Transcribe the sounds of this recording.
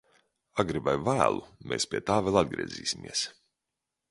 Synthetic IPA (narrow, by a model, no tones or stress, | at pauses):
aɡɾibajvæːlˠṵmʔeːspʲiɛt̪aːvɛlˠad̪̚ɡɾḭɛziːsʲimiɛs